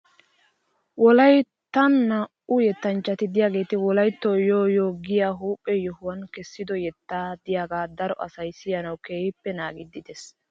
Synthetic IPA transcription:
wɔlɐj | t̪ɐnːɐ | ʊjɛt̪ːɐnt͡ʃːɐt̪ɪd̪ɪjaːɡe̞ːt̪ɪwɔlɐjt̪ːoːjoːjoːɡɪjaːɦuːpʼːɛjɔhʊwɐnkɛsːɪd̪ɔjɛt̪ːaːd̪ɪjaːɡaːd̪ɐɾɔ̰ʔɐsɐjsɪjɐnɐwkeːhɪpːɛnaːɡɪd̪ɪd̪ɛs

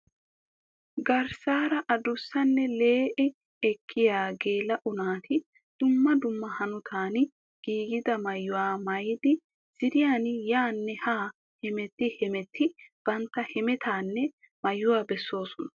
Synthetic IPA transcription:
ɡɐɾsaːɾɐʔɐd̪ʊsːɐnːɛleːʔɛ | ɛkʰːɪjaːɡeːlɐʔʊnaːt̪ʰɪ | d̪̥ʊmːɐd̪ʊmːɐhɐnʊt̪ʰaːn | ɡ̥iːɡɪd̪ɐmɐjːʊwaːmɐjd̪ɪ | z̥ɪd̪ɪjaːnjaːnːɛhaː | hɛmɛt̪ːɪhɛmɛt̪ʰːɪb̥ɐnt̪ːɐhɛmɛt̪ʰaːnːɛ | mɐjːʊwaːbɛsːo̞ːsɔnɐ

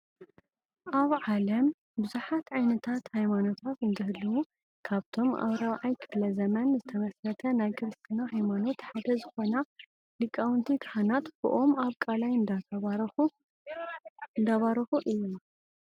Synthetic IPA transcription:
ʔaβʕalɐm | bɨzuħat̪ʕajnɐt̪ʰat̪hajmano̞t̪ʰat̪ɨnd̪ɐhɨlːɐwu | kʰaβt̪ʰo̞mʔɐ̰βɾawʕajkʰɨflɐzɐmɐnzɨt̪ʰɐmɐsɾɐt̪ʰɐnajkʰɨɾɨst̪ʰɨnaɦajmano̞t̪ħad̪ɐzɨxo̞na | lɨkʼːawɨnt̪ʰikʰhanat̪bɨ̰ʔomaβkʼalajɨnd̪a | ɨnd̪aβaɾɐxuʔɨjːu

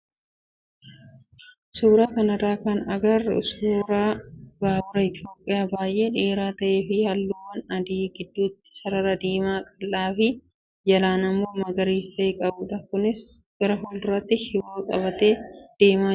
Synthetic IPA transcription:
suːɾaːkɐnɐraːkɐnɐɡɐɾʊ̰suːɾaːbaːbʊɾɐɪt̪jo̞ːpʼːɪjaːbaːjʔe̞ːᶑeːɾaːt̪ɐʔe̞ːfɪhɐlːuːwɐnɐd̪iːɡɪd̪ːuːt̪ːɪ̥sɐɾɐɾɐd̪iːmaːkʼɐlːaːfɪ | d͡ʒɐlaːnɐmːo̞ːmɐɡɐɾiːst̪ɐɪkʼɐbuːᶑɐkʊnɪs | ɡ̥ɐɾɐɦɔldʊɾːɐt̪ːɪhɪwoːkʼɐ̰βɐt̪e̞ːd̪̥e̞ːmaː

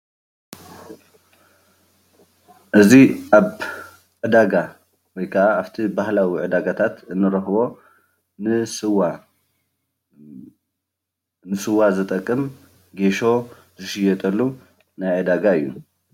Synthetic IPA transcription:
ʔɨziʔaβ | ʕɨd̪aɡa | wɔjkʰɐʔahaβt̪ʰibahlawiʕɨd̪aɡat̪ʰat̪ɨnːɨɾɐxbo̞ | nɨsɨwa | nɨsɨwːazɨt̪ʼɐkʼːɨm | ɡe̞ʃo̞ | zɨʃɪjɛt̪ʼɐlːu | najʕɨd̪aɡaɨjːṵ

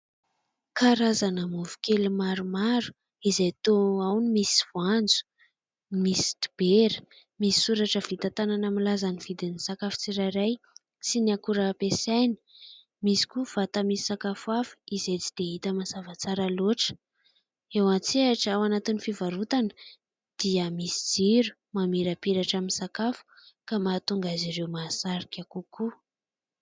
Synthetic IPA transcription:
kʰaɾazanəmuvu̥kelimaɾumaɾu̥ | izajt̪oawnimisi̥vuand͡zu̥ | misi̥t̪i̥b̥eɾə̥ | misi̥suɾaʈ͡ʂəv̥it̪at̪ananamilazaniv̥id̪inisakafu̥t͡siɾaɾaj | siniakuɾəpesajni̥ | misi̥kuv̥at̪amisi̥sakafuafu̥izet͡si̥d̪̥eit̪əmazavat͡saɾaloʈ͡ʂə̥ | ewat͡seaʈ͡ʂawanat̪inifivaɾut̪anə̥ | d̪̥iəmisid͡ziɾu̥ | mamiɾəpiɾaʈ͡ʂaminsakafu̥kamat̪uŋɡaziɾewmasaɾikʲakuku

